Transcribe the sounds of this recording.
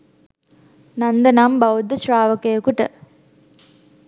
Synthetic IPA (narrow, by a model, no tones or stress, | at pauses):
nɐnd̪ɐnambɐwd̪ːəʃɾaːʋɐkejɐkuʈə̰